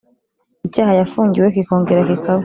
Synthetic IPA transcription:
icaːhajafuːɲɟiwek̬iko̞ːŋɡeɾakikʰawe

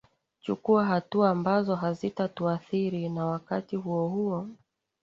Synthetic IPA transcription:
t͡ʃukuaɦatuaːmbazɔɦazitatuaθiɾinawakatiɦuɔhuɔ

